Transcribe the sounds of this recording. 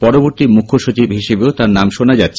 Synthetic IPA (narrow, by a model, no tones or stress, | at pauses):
pɔɾoboɾt̪imukʰːoʃut͡ɕibɦiʃebeot̪aɾnamʃonad͡ʑat̪ːɕʰe